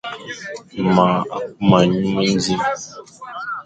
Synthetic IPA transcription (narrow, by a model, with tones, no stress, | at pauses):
ma˨˦ma˨ɲu˦mə˦n̩˦d͡zi˦m